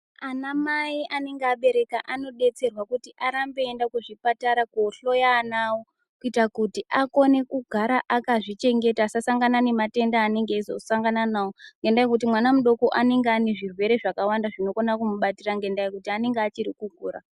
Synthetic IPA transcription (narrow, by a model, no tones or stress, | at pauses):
anamaiʔane̞ŋɡeaɓe̞ɾe̞kaʔano̞ɗe̞t͡se̞rwakutiʔaɾambe̞ːndakuʐipataɾakoɬo̞janawo | kuitakutiʔako̞ne̞kuɡʱaɾaʔakaʐit͡ʃe̞ŋɡe̞taːsasaŋɡanane̞mate̞ndaːne̞ŋɡeizo̞̰saŋɡananawoŋɡe̞ndajekut̬imwanamuɗo̞ko̞ʔane̞ŋɡeane̞ʐirwe̞ɾe̞ʐakawandaʐino̞konakumuɓatiraŋɡe̞ndajekutiane̞ŋɡeat͡ʃiɾikuɡʱuːra̰